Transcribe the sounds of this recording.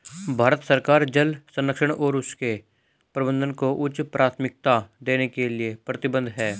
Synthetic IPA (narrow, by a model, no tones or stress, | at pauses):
bʱaːɾət̪səɾkaːɾd͡ʒəlsə̃nːəkʃəɽ̃ɔːɾʊske | pɾəbə̃nd̪ənkoʔʊt͡ʃpɾʔaːt̪ʰmɪk̚t̪ad̪eːnekelɪiepɾət̪ɪbə̃nd̪ʱɦɛː